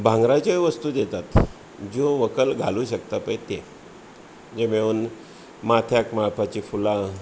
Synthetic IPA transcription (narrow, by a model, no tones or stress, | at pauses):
bʱãŋɡɾat͡ɕaʋəst̪uːd̪jet̪at̪ | d͡ʑoʋəkəlɡʱaluːɕək̚t̪apəjt̪e | d͡ʑemeun | mat̪ʰjakmapʰat͡ɕifulã